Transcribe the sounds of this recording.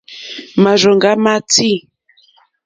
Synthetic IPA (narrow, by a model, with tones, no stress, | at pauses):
ma˨ʒɔ˨ŋɡa˦ma˦ti˦